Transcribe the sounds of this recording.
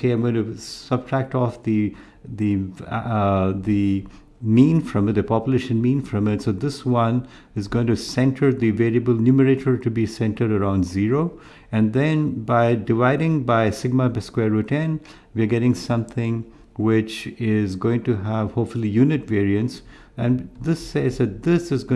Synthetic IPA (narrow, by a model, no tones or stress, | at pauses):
eãɪ̃mɡõɪ̃tusʌb̚ʈʰɹæk̚ʈɔfd̪i | d̪i | d̪i | mĩːnfɾʌ̃mɪtd̪əpɑpjuleʃə̃nmĩnfɾʌ̃mɪtsod̪ɪswʌ̃n | ɪzɡõɪ̃ŋtusɛ̃nʈʰəɾd̪iʋeːɾiəbəlnjuməɾeʈʰəɹʈubisɛ̃nʈə˞ɖəɾãʊ̃nɖziɾo | ɨ̃nd̪ɛ̃nbaɪdɪʋaɪɾɪ̃ŋbaɪsɪɡ̚mabɪskwɛɾːuʈɛ̃n | ʋiəɡɛɾɪ̃ŋsʌ̃mt̪ʰɪ̃ŋ | wɪt͡ʃɪzɡoːɪ̃ŋʈuɦæʋhopfəlˠijunɪʈʋeːɹiə̃nts | ɛ̃nd̪ɪsːezd̪ɨt̚d̪ɪsɨzɡo